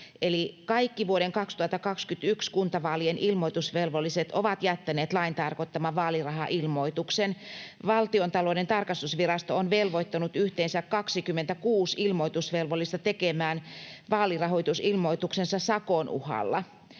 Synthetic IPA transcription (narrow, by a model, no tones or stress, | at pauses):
elikɑikːiʋuoɾeŋkɑkst̪uhɑt̪ːɑkɑkskyt̪ykskunt̪ɑʋɑːlienʔilmoit̪usʋelʋolːˑiset̪oʋɑt̪jæt̪ːæneːt̪lɑint̪ɑrkot̪ːɑmɑʋɑːlirɑɦɑʔilmoit̪uksenʋɑlt̪iont̪ɑlodent̪ɑrkɑst̪usʋirɑst̪oonʋelʋoit̪ːɑnut̪yht̪eːnsækkɑksikymːent̪ækuːsilmoit̪usʋelʋolːˑist̪ɑt̪ekemæːnʋɑːlirɑɦojt̪usilmoit̪uksensɑsɑkonʔṵhɑ̰lːɑ